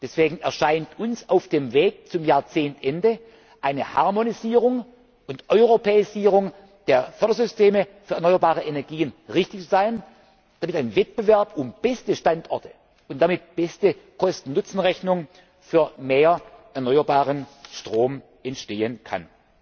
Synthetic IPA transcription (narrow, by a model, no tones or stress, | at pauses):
d̥ɛsv̥eːɡŋ̩ɛɐʃaɪntʰʊnsaʊfd̥eːmveːk̚t͡sʊmjaːɐt͡seːntʔɛndə | ʔaɪnəha̰ɐmoniziːʁʊŋ | ʊntʔɔʏʁopʰɛːɪziːʁ̞ʊŋ | d̥eːɐfœɐdɐzʏstʰeːməfyːɐɛɐnɔʏɐbaːʁəʔenɛɐɡiːənʁɪçtɪçt͡szaɪən | d̥amɪtaɪnvɛt̚b̥əvɛɐpʊmb̥ɛstəʃtantʔɔɐtʰə̥ | ʊntd̥amɪt̚b̥ɛstəkʰɔstn̩nʊt͡sn̩ʁɛçnʊŋ | fyːɐmeːɐʔɛɐnɔʏɐbaːʁənʃtʁ̥oːm | ʔɛntʃteːənkʰa̰n